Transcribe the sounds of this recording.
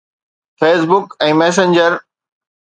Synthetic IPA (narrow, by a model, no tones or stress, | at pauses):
feːs̬bʊkɛ̃ːmɛːs̬ẽnd͡ʑəɾ